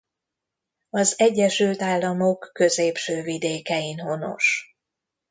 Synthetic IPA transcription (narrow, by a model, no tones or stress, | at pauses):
ɒzɛɟːɛʃylt̪aːlːɒmo̞kːø̞zeːpʃøːvid̪eːkɛinɦo̞no̞̰ʃ